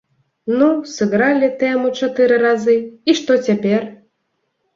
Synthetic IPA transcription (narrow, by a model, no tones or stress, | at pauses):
nusɨɣɾalʲit̪ɛmut͡ʂat̪ɨɾɨɾazɨiʂt̪ɔt͡sʲapʲɛr